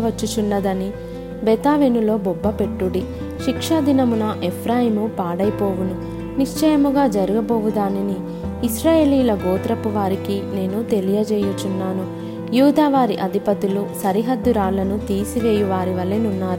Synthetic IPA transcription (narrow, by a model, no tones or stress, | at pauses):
ʋɐt͡ʃːut͡ʃunːɐd̪ɐni | bet̪aːʋenulo̞ːbɔbːɐpe̞ʈːuɽi | ʃikʂad̪inɐmunɐʔepʰɾaːjimupaːɽɐjpo̞ːʋunu | niʂt͡ʃɐjɐmuɡaːd͡ʒɐɾuɡɐboːʋud̪aːniniː | sɾaːje̞ːliːlɐɡoːt̪ɾɐpuʋaːɾikine̞ːnut̪e̞lijɐd͡ʒɛːjut͡ʃunːaːnu | juːd̪aːʋaːɾiʔɐd̪ʱipɐt̪ilusɐɾiɦɐd̪ːuɾaːɭlːɐnut̪iːsiʋeːjuʋaːɾiʋɐɭːenunːaːɾu